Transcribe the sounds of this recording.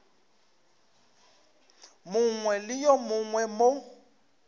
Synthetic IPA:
mʊŋwɛlɪjɔmʊŋwɛmo

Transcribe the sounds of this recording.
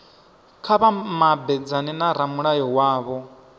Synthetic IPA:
kʰaβamabɛd͡zanɛnaɾamuɺajɔwaːβɔ

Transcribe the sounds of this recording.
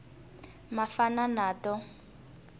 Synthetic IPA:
mafananaːtɔ

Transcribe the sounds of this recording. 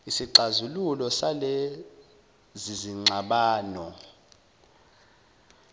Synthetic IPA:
isiǀazululɔsale | ziziŋ͡ǀʱaɓaːnɔ

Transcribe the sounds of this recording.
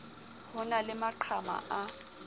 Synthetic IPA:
hʊnalɪmaǃʰama̰ʔa

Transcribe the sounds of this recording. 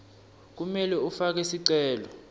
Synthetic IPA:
k̬umɛlɛufak̬ɛsiǀɛːlɔ

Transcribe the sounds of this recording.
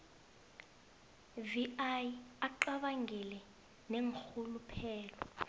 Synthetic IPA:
viʔajiaǃaɓaŋɡʱilɛ | neŋk͡xulupʰɛːlɔ̰

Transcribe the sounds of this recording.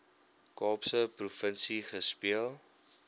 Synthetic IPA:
kɑːpsəprufənsiχəspiəlˠ

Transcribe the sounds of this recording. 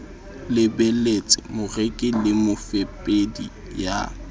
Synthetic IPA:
lɪbelet͡sʼɪmʊrekʼɪlɪmʊfepʼedḭ | ja̰

